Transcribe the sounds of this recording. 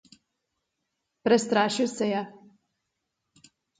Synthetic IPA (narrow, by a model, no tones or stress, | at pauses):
pɾɛst̪ɾaːʃiwsɛja